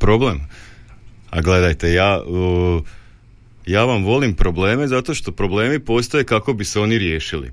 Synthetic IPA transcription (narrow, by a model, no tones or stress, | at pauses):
pɾo̞ble̞m | a̰ɡle̞d̪ajt̪e̞jaː | jaːʋamʋo̞limpɾo̞ble̞ːme̞zat̪o̞ʃt̪o̞pɾo̞ble̞ːmipo̞ːst̪oje̞kako̞biseo̞niɾje̞ːʃilḭ